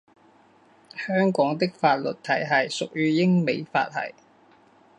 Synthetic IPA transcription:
hœː˥ŋkɔː˨˥ŋt̪ɪ˥k̚faː˧t̚lɵ˨t̚t̪ʰɐ˨˩jɦɐ˨˩jsʊ˨k̚jyː˥jɪ˥ŋme˨˧jfa̰ː˧t̚hɐ̰˨˩j

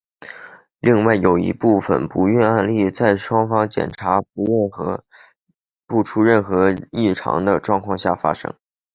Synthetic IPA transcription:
li˥˧ŋwa˥˩ɪjo˨˩ʊḭ˧˥pu˥˩fə̰˩npu˧˥ɥɛ˥˧na˥˧nli˥˧t͡sa˥˩ɪʂwɑ˥ŋfɑ˥ŋt͡ɕjɛ̰˨˩nʈ͡ʂʰa˧˥pu˧˥˩nxɤ˧˥ | pu˥˩ʈ͡ʂʰu˥ɻə˥˩nxɤ˧˥i˥˩ʈ͡ʂʰɑ̰˧˥ŋd̪ə˧ʈ͡ʂwɑ˥˧ŋkʰwɑ˥˧ŋɕja̰˥˩fa̰˥ʂɤ̰˥ŋ

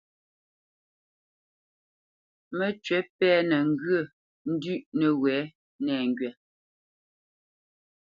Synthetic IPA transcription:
mə˨t͡ʃɥɛ˨˦pɛː˦nə˨ŋ̩˦ɡə˦˨ | n̩˦dʉ˦˨ʔnə˨wɛː˨˦ | nɛː˨ŋ˨ɡɥɛ˨

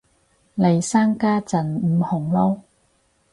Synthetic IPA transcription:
le˨˩jsaː˥ŋkaː˥t͡sɐ˨˩nm̩˨˧hʊ˨˩ŋlo˥w

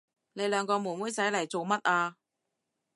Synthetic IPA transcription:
ne˨˧jlœː˨˧˥ŋkɔː˧muː˨˩wuː˨˥jsɐ˨˥jlɐ˨˩jt͡so˨wmɐ˥t̚ʔaː˧

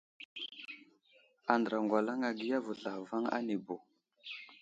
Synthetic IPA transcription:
a˨ndə˨ɾa˨ŋɡʷwa˨la˦ŋa˨ɡi˦ja˦vu˨ɬa˨xva˦ŋa̰˦ne˨bo˨

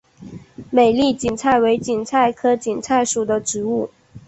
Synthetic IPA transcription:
me˨˩ɪli˥˩t͡ɕi˨˩ŋt͡sʰa˥˩ɪwe˧˥ɪt͡ɕi˨˩ŋt͡sʰa˥˩ɪkʰɤ˥t͡ɕi˨˩ŋt͡sʰa˥˩ɪʂu˨˩d̪ə˦ʈ͡ʂɻ̩˧˥u˥˩

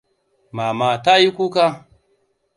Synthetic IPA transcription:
ma˨ma˨ta˦ji˦kʷu˦ka˦

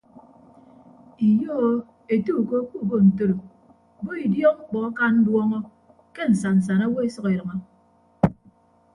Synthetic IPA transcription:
i˨jo˦ | e˨tu˦˨ko˦ku˦˨bo˦˨n̩˨to˦ɾo˨ | bo˦i˨djɔ˦ŋ͡m̩˦k͡pɔ˨a˦ka˦n̩˦dwɔ˦ŋɔ˦ | ke˦n̩˨sa˨n̩˨s̬a˨na˦wo˦e˦sʌ˦ke˨ɾʌ˨ŋɔ˦

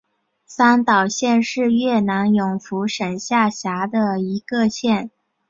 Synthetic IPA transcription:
sa˥nt̪ɑ˨˩ʊɕjɛ˥˧nʂɻ̩˥˧ɥɛ˥˩na˧˥njʊ˨˩ŋfu˧˥ʂə˨˩nɕja˥˩ɕja˧˥d̪ə˧i˧˥ɡə˧ɕjɛ˥˩n

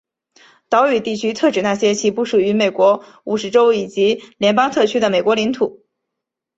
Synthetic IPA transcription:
t̪ɑ˧˥ʊy˨˩t̪i˥˩t͡ɕʰy˥t̪ʰɤ˥˩ʈ͡ʂɻ̩˨˩na˥˩ɕjɛ˥t͡ɕʰi˧˥˩pu˥˩ʂu˨˩y˧˥me˨˩ɪkwɔ˧˥ | u˨˩ʂɻ̩˧˥ʈ͡ʂo˥ʊi˨˩t͡ɕi˧˥ljɛ˧˥npɑ˥ŋt̪ʰɤ˥˩t͡ɕʰy˥d̪ə˨me˨˩ɪkwɔ˧˥li˧˥ŋt̪ʰu˨˩˦

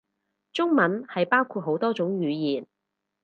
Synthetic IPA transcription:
t͡ʃʊ˥ŋmɐ˨˧˥nhɐ˨jpaː˥wkʰuː˧t̚ɦo˨˥wt̪ɔː˥t͡sʊ˨˥ŋɥyː˨˧jiː˨n

